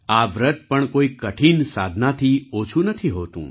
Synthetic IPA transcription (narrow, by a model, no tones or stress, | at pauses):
aʋɾət̪̚pəɳkoikəʈʰinsad̪ʱnat̪ʰiot͡ʃʰũnət̪ʰiɦot̪ṵ̃